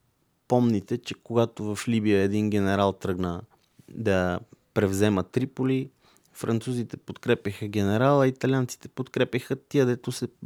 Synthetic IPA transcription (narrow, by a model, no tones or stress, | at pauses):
pɔmnit̪ɛt͡ʃɛkoɡat̪ovəflibijəɛd̪inɡ̟ɛnɛɾalˠt̪ɾɤɡnə | d̪ɐpɾɛvzɛmət̪ːɾipoli | fɾɐnt̪suzit̪ɛpot̪kɾɛpʲjəxəɡ̟ɛnɛɾalˠɐit̪ɐlʲant̪si̥t̪ɛ̥pot̪kɾɛpʲəxət̪iəd̪ɛt̪osɛ